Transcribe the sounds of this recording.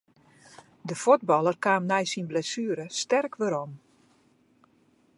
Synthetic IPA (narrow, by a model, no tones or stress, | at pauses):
dəfod̚bɔlˠərkaːmnɛjsinblɛsyəɾəstɛrkʋøɾom